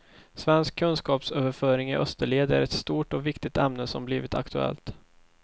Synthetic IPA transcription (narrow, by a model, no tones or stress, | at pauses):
svɛnskʰːɵnskɑːpsøːvəɾfœːɾɪŋɪ̰ʔœst̪əɭeːd̪əæ̰ɾɛt̪st̪uːʈɔvɪkt̪ɪt̪ɛmnəsɔmbliːvɪt̪ʰa̰kt̪ɵɛ̰lt̪